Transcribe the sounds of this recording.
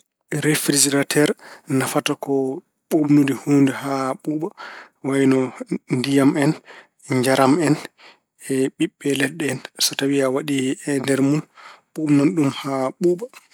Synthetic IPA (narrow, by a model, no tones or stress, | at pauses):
ɾefɾid͡ʒiɾatʰɛɾnafatakɔ | ɓomnudihundɛhaɓuɓa | wajnɔndijamɛn | ɲd͡ʒaɾʔamɛn | ɛɓiɓːɛlɛɗːɛɛnsɔtawiawaɗiɛndɛɾmunɓumnɔnɗumhaɓuːɓa